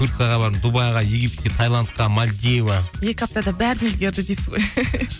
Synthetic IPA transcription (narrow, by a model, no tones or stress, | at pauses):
uɾt̪sɨjaʁɑbɑɾd̪əd̪ubɑjʁɑjeɡʲipt̪e̥t̪ɡʲet̪ʰɑjlˠant̪̚qɑmalʲd̪ʲevaje̞kʲap̚t̪ad̪ɑbæɾd̪nelɡʲeɾd̪ɪd̪ejsɪzʁoj